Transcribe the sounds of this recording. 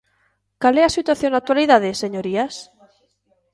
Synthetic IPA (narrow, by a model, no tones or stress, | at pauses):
kaleasit̪waθjonak̚t̪waliðaðeseɲoɾias